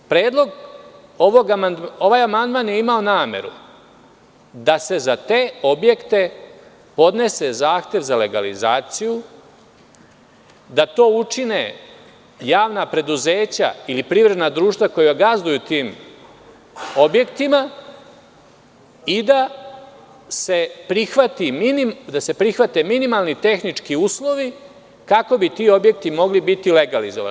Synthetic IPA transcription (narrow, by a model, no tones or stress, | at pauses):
pɾe̞ːd̪lˠo̞ɡ | oʋoɡano̞ʋaːjamand̪maːnjeimao̞naːme̞̰ɾṵ | d̪ase̞zat̪e̞ːo̞bje̞kt̪e̞ | po̞d̪ne̞se̞zaːxt̪je̞ʋzale̞ɡalḭzaːt̪siju | d̪at̪o̞ːut͡ʂine̞ | jaːʋnapɾe̞d̪uze̞ːt͡ɕa̰ilipɾiʋɾe̞d̪nad̪ɾuːʃt̪ʋako̞juaɡazd̪ujut̪iːm | o̞bje̞kt̪ima | id̪a | se̞pɾixʋat̪iminimd̪ase̞pɾixʋat̪e̞minimalˠnit̪e̞xnit͡ʂkiuːslˠo̞ʋi | kako̞bit̪io̞bje̞k̚t̪imo̞ɡlibit̪ile̞ɡalizoʋa̰